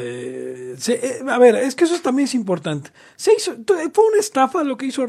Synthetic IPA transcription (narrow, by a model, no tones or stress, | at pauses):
eseʔeaβe̞ɾeskees̬oet̪ambjenes̬impo̞ɾt̪ant̪e̥ | seisot̪fweunest̪afalo̞ke̞iso